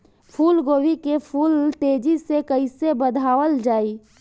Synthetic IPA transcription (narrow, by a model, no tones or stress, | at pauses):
pʰuːlɡoːwikepʰuːlt̪eːd͡ʒisekəisebəd̪ʱaːwəld͡ʒaːiː